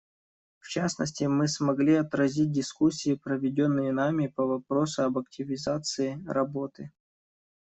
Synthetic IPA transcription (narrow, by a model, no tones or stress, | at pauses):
ft͡ɕasnə̰sʲtʲɪmɨsmɐɡlʲiɐt̪ɾɐzʲit̚ʲdʲɪskusʲːiɪpɾəvʲɪdʲo̞nːɨjɪnamʲɪpɐvɐpɾo̞sʊɐbɐk̚tʲɪvʲɪzat̪sɨɪɾɐbo̞t̪ɨ